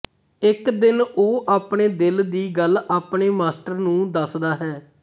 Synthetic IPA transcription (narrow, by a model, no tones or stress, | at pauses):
ɪkd̪ɪnoːʔaːpɳeːd̪ɪld̪iːɡəlaːpɳeːmaːsʈəɾnũːd̪əsd̪aːɦɛː